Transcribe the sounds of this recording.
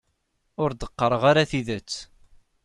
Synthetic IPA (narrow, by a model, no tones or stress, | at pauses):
ʊɾd̪əqːəɾˤəʁaɾaθiðət͡sː